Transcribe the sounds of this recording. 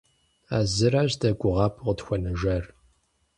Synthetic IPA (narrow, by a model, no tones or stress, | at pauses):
a̰ːzɨɾaːʑdɐɡʷʼʊʁɑːpʰʁətxʷɔnɨʒɐr